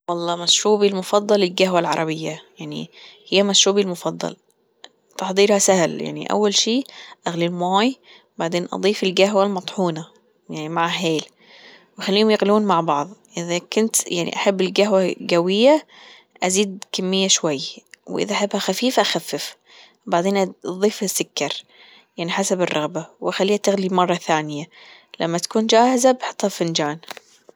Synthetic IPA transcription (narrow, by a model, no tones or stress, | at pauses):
wɑlˤːɑːmæʃɾuːbilmʊfɑd̪ˤːɑlɪlɡaɦwalʕɑ̰ɾˤɑbɪjːajaʕnḭhɪjːæmæʃɾuːbilmʊfɑd̪ˤːɑ̰l | t̪ɑħd̪ˤiːɾhæsæhlja̰ʕnḭʔæ̰wːælʃiːʔæɣlilmæːj | baʕd̪eːnʔɑ̰d̪ˤiːfɪlɡæɦwalmɑt̪ˤħuːnɑ | jaʕnimaʕaɦeːl | wxælːiːhʊmjɪɣluːnmaʕbɑʕðˤʔɪðækʊnt̪jaʕnḭʔaħabːɪlɡaɦwaɡawɪjːa | ʔaziːd̪̚kamːɪjːaʃwajːwʔɪ̰ðaʔaħabhaxafiːfʔaxafːɪf | baʕd̪eːnʔðˤiːfasːʊkːɑɾˤ | jaʕniħasabɪrˤːʔɑɣbawʔaxalːiːhat̪ɪɣlimɑrˤːɑθaːnɪjala̰mːat̪ḁkuːnd͡ʒaːhɪzabħɨ̥t̪ˤːhafɪnd͡ʒaːn